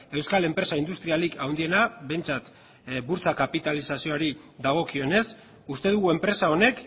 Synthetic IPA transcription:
e̞wskale̞mpɾe̞saind̪ust̪ɾialikʰawnd̪ie̞naβe̞jnt͡sat̪ | buɾt͡sakapit̪alisasio̞aɾi | ðaɣ̞o̞kio̞ne̞s | ust̪e̞ðuɣue̞mpɾe̞sao̞ne̞k

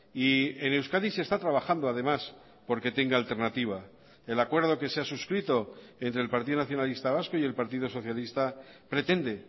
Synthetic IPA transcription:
iene̞wskaðise̞st̪at̪ɾaβaxand̪oaðe̞mas | po̞ɾke̞t̪e̞ŋɡaːlt̪e̞ɾnat̪iβ̞a | e̞lakwe̞ɾð̞o̞ke̞seasuskɾit̪o̞e̞nt̪ɾe̞ːlpaɾt̪iðonaθjo̞nalist̪aβ̞askoie̞lpaɾt̪iðo̞so̞θjalist̪apɾe̞t̪e̞nd̪e̞

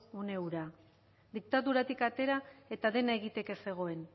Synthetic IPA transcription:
une̞uɾa | d̪ik̚t̪aðuɾat̪ikat̪e̞ɾae̞t̪aðe̞nae̞ɣ̞it̪e̞ke̞se̞ɣ̞o̞e̞n

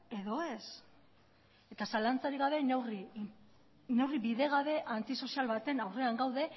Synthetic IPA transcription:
e̞ðo̞e̞s | e̞t̪asalant͡saɾiɣaβ̞e̞neri | ne̞wribiðe̞ɣaβe̞ʔant̪iso̞sialβat̪enawre̞aŋɡawðe̞

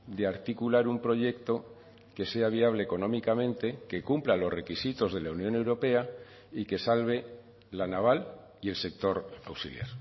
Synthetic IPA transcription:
d̪eaɾt̪ikulaɾumpɾo̞ʝe̞kt̪o̞ | ke̞se̞aβ̞iaβ̞leːko̞nõ̞mikamẽ̞nt̪e̞ke̞kumplalo̞zre̞kisit̪o̞zðe̞launjõ̞ne̞wɾo̞pe̞a | ike̞salβ̞e̞ | lanaβ̞al | ie̞lse̞k̚t̪o̞ɾawsḭlja̰ɾ

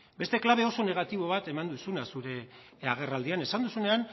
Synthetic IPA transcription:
be̞st̪e̞klaβe̞o̞so̞ne̞ɣ̞at̪iβo̞β̞at̪e̞mand̪usunasuɾe̞ | aɣ̞e̞rald̪iane̞sand̪usune̞an

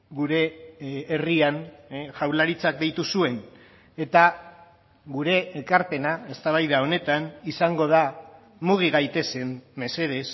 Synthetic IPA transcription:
ɡuɾe̞ː | rianʝawlaɾit͡sak̚d̪ejt̪usue̞n | e̞t̪a | ɡuɾe̞ːkaɾpe̞nae̞st̪aβ̞ajðao̞ne̞t̪anisaŋɡo̞ð̞a | muɣ̞iɣajt̪e̞se̞mme̞se̞ðe̞s

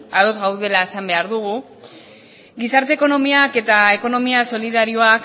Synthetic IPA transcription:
aðo̞zɣawðe̞laesambe̞aɾðuɣ̞u | ɡisaɾt̪e̞ːko̞no̞miake̞t̪ae̞ko̞no̞miaso̞liðaɾio̞ak

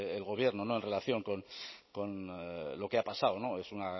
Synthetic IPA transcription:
elɣ̞o̞β̞je̞ɾnono̞e̞nre̞laθjo̞ŋko̞nko̞nlo̞keapasawno̞e̞suna

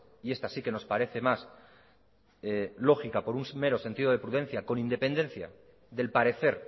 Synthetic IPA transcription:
ie̞st̪asike̞no̞spaɾe̞θe̞mas | lo̞xikapo̞ɾunsme̞ɾo̞se̞nt̪ið̞o̞ð̞e̞pɾuð̞e̞n̟θjako̞nĩnd̪e̞pe̞nd̪ẽ̞n̟θja̰ | ðe̞lpaɾe̞θe̞ɾ

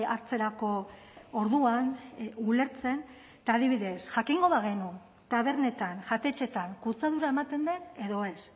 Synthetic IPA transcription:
aɾt͡se̞ɾako̞ | oɾðuanule̞ɾt͡se̞n | t̪aːðiβ̞iðe̞sʝ̥akiŋɡo̞βaɣ̞e̞nu | t̪aβ̞e̞ɾne̞t̪anʝat̪e̞t͡ʃe̞t̪aŋkut͡saðuɾae̞mat̪e̞nd̪ene̞ðo̞e̞s

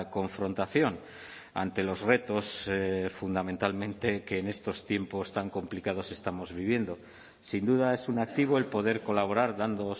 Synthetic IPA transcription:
ko̞ɱfɾo̞nt̪aθjo̞n | a̰nt̪e̞lo̞zre̞t̪o̞sfund̪amẽnt̪almẽ̞nt̪e̞ke̞ːne̞st̪o̞st̪je̞mpo̞st̪aŋko̞mplikað̞o̞se̞st̪amo̞zβ̞iβ̞je̞nd̪o̞ | sind̪uð̞ae̞sunak̚t̪iβ̞oe̞lpo̞ð̞e̞ɾko̞laβ̞o̞ɾaɾðand̪o

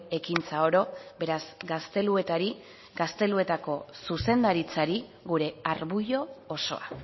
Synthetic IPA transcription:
e̞kint͡sao̞ɾo̞be̞ɾazɡast̪e̞lue̞t̪aɾi | ɡast̪e̞lue̞t̪ako̞suse̞nd̪aɾit͡saɾiɡuɾe̞aɾβuʝo̞ːso̞̰a̰

